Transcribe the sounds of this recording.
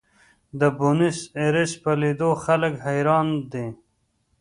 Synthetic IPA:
d̪əbunɪseɾɪspəlid̪oxaləkɦajɾɑːnd̪e

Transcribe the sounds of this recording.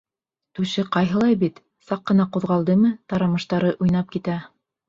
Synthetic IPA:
t̪ʉʃɘqɑjɦɤ̆lˠɑjbit̪ | sɑqːɤ̆nɑquðʁɑlˠd̪ɤmɘt̪ɑɾɑmɤ̆ʃt̪ɑɾɤʔujn̪ɑp̚kit̪æ

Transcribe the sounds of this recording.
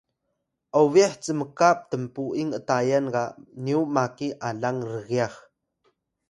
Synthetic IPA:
ʔawviaħt͡səməkap̚t̪əmpuʔiŋətajanɡaʔniwmakiʔaɮaŋrəɣiax

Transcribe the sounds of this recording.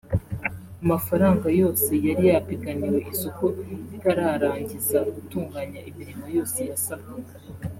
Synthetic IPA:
amafaɾaːŋɡajo̞ːse̞jaɾijapiɡaniwe̞ʔisokoitaɾaːɾaːɲɟizaɡutuːŋɡaːɲaʔimiɾimo̞jo̞ːse̞jasab̚ɡa

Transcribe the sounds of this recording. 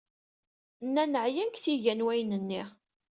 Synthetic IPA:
nːænəʕjænkθiʝænwæjnənːi

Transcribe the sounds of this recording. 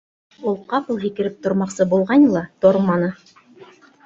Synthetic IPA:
ulˠqɑpɤ̆lˠɦikɘ̆ɾɘp̚t̪ŏɾmɑqsɤbulˠʁɑnʲlˠɑt̪oɾmɑnɤ

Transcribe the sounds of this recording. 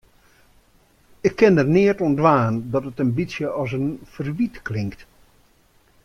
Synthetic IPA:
ɪkʰːɪnərnɪərtɔndʋaːndɔtətəmbisjəʔɔs̬ənfərʋitklɪŋkt

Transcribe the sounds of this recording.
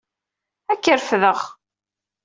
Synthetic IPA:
ækːəɾfðəʁ

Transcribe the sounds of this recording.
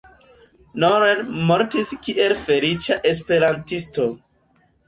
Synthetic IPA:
noɾenmoɾtiskiʔe̞lfe̞lit͡ʃaʔespe̞ɾantisto̞

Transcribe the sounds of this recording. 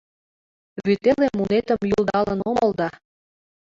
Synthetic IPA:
βyt̪elemːunet̪ə̆mjulˠd̪ɑlə̆nomɤ̆lˠd̪ɑ

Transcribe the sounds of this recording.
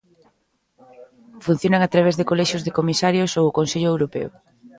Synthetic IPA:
fun̟θjonaŋat̪ɾaβ̞ezðekoleʃjozðekomisaɾjosowʊkonseʎʊewɾopḛo̰

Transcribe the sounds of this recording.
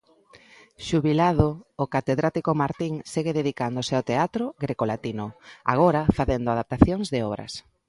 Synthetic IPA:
ʃuβilaðoːkat̪eðɾat̪ikomaɾt̪iŋseɣeðeðikand̪oseaowt̪eat̪ɾoɣɾekolat̪inoa̰ɣ̞ɔɾafaθend̪oaðap̚t̪aθjoŋzðɪɔβ̞ɾɐ̰s

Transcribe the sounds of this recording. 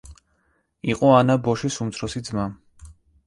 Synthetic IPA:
iqʼɔanabɔʃisumt̪sʰɾɔsid̪zma

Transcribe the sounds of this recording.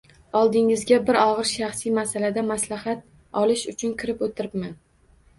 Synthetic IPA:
ɒlˠd̪ɪŋɪzɡʲabɪɾɒʁɨɾʃaχsijmasalad̪amaslahat̪̚ | ɒlɪʃʊt͡ʃʰʊnkʲʰɪɾɪpot̪ʰɪɾɪpmɪn

